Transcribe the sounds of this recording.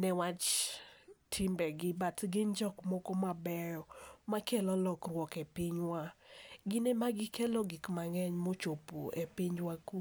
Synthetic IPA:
nɛwat͡ʃ | tʰimbɛɡɪbatɡɪnd͡ʒɔkmɔkomabɛjɔmakʰɛlɔlɔkrwɔkepiɲwaɡɪnemaɡɪkɛlɔɡikmaŋɛɲmot͡ʃopo̰ʔepiɲwaku

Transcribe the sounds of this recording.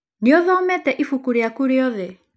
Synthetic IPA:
neoðɔmɛtɛʔifukuɾeakuɾeɔðe

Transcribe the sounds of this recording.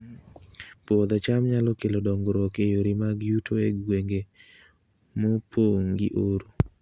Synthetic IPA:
pod̪ɔt͡ʃamɲalɔkelodɔŋɡɾɔkejoɾimaɡjutʰoeɡweŋɡe | mopʰoŋɡḭʔoɾo

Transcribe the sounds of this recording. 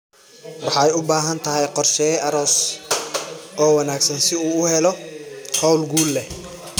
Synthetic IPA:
wɑħɑɛjʊbaːɦɐnt̪ʰɐɦɛjqɔrʃɛːjɐɾɔːs | ʔɔːwɑnaːɡsɐnsɪuːʊhɛlɔhɔwlɡuːlːɛ

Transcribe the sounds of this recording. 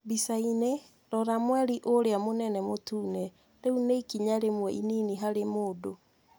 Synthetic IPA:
bisaine | ɾɔɾamwɛɾiʔoɾeamonɛnɛmotuːnɛ | ɾeuneikiɲaɾemwɛʔiniːniɦaɾemoːdo

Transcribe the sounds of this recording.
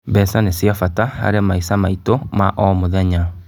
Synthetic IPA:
bɛsanesiafataha̰ɾemaisamaitomaʔɔmoðɛɲa

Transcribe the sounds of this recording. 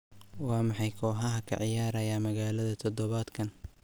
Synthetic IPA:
wɑːmɑħɑjkʰɔːɦɐɦɐkʰɐ̰ʕɪjaːɾɐjaːmɐɣaːlɐðɐt̪ʰɔd̪ɔβaːd̪kʰɐn

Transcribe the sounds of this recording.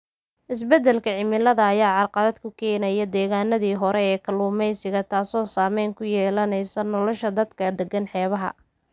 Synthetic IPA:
ʔɪs̬bɛd̪ɛlkʰɐʕɪmɪlɐðɐːjaːʕɑrqɑðɐd̪kʰʊkʰɛːnɐjɐd̪ɛːɣaːnɐðiːɦɔɾɛɛːkʰɐluːmɛjsɪɣɐt̪ʰaːsɔːsaːmɛjŋkʰʊjɛːlɐnɛjsɐnɔlɔʃɐd̪ɐd̪kʰɐd̪ɛɡɐnħɛːβɐɦɐ̰

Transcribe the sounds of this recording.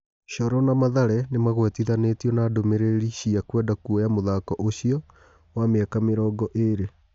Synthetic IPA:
ɕɔɾɔnamaðaɾɛnemaɣwɛtiðanetijɔnaːdomeɾeɾiɕiakwɛdakuɔjamoðakɔʔoɕiɔ | wameɛkameɾɔːɡɔʔeɾe

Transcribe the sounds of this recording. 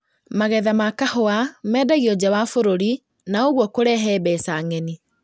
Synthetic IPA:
maɣɛðamakahoamɛːdaɣiɔd͡ʑawafoɾoɾi | naoɣwɔkoɾɛɦɛːbɛsaŋɛni

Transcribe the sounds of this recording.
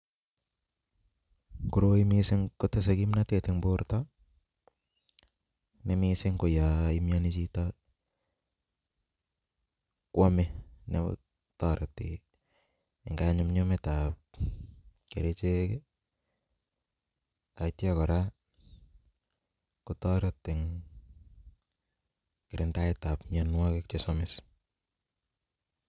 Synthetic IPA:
kuɾoimisɪŋkotes̬ekimnateteŋboɾta | nemisɪŋkojaimjanit͡ʃita | kwamenḛ | taɾati | ɪŋɡaɲʊmɲometap̚ | keɾet͡ʃeke | aitjakɔɾa | kʊtɔɾɔtːɪŋ | kɪɾɪndaɪtapmjanwɔkek̚t͡ʃesɔmɪs

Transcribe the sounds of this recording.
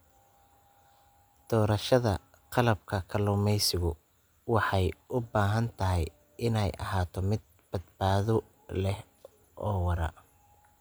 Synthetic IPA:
d̪̥ɔːɾɐʃɐðɐ̰ | qɑlɐb̚kʰɐkʰɐlʊmɛjsɪɣʊ | wɑħɑjʔʊbaːɦɐnt̪ʰɐɦɪj | ɪnɛjʔɐ̰ɦaːt̪ʰɔmɪd̪̚ | b̥ɐd̪baːðɔ | lɛh | ʔɔːwɑɾɐ̰

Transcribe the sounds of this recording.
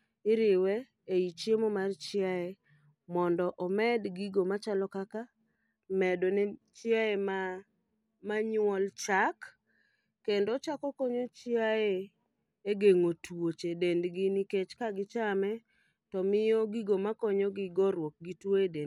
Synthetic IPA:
ɪɾɪwɛ | eit͡ʃjemɔmart͡ʃɪae | mɔndɔʔɔmɛdɡiɡomat͡ʃalɔkaka | mɛdonɛt͡ʃɪaema | maɲʊwɔlt͡ʃakː | endot͡ʃakɔkoɲot͡ʃɪae | eɡeŋotwot͡ʃedendɡɪniket͡ʃkaɡɪt͡ʃamɛ | tɔmɪjɔɡiɡomakɔɲoɡɪɡoɾwok̚ɡitweden

